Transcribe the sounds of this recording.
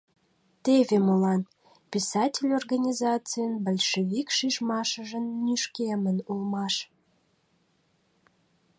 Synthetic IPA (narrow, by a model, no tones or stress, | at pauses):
t̪evʲemolɑn | pʲisɑtʲelʲorɣanʲizɑt͡sɨjənbəlʲʃevʲikʃiʒmɑʃəʒənːyʃkemənulmɑʃ